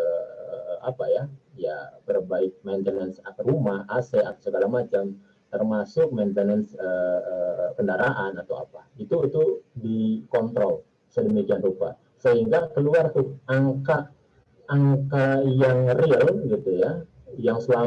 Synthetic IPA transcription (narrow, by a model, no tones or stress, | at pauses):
ə | apajaja̰bərbaɪk̪̚mant̪ənənsakrumahʔasɛaksəɡalamat͡ʃam | t̪ərmasʊk̚ment̪ənɛnsə | kəndaɾaʔanat̪awa̰pait̪uit̪udikɔnt̪ɾɔl | sədəmikianrupa̰ | səɦiŋɡakəluart̪ʊhaŋkaː | ŋkajaŋriəlɡit̪uja | jaŋsəla